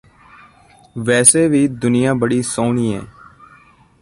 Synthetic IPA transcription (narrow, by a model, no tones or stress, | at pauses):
ʋɛːsebʱid̪ʊnɪjaːbəɽisoːniːɦɛ̰̃ː